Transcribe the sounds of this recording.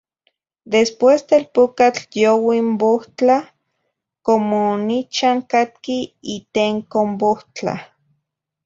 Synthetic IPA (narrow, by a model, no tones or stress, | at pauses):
d̪espwesd̪elpokat͡ɬjowimboht͡ɬa | komonit͡ʃaŋkat̪̚kiit̪eŋkomboht͡ɬa̰